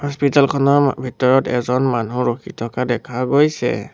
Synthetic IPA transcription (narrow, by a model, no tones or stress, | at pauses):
hɔspitalkʰɔnɔɹbʱitɔɹɔtɛzɔnmanuɹokʰitʰɔkadɛkʰaɡojsɛ̰